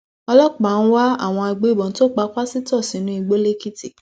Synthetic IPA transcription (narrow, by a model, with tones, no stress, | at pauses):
ɔ˧lɔ˦k͡pa˨ñ̩˦wa˦a̰˦˨w̃ɔ̃˧a˧ɡ͡be˨˦˨bɔ̃˨n̩˦to˦˨k͡pa˧k͡pa˦si˦tɔ˦˨si˨˦nũ˦i˧ɡ͡bo˦le˦ki˦tḭ˦˨